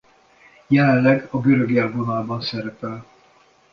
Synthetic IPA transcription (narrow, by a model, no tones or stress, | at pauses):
jɛlɛnlɛɡɒɡøɾøɡiɛɡonaːlbɒnsɛɾɛpɛl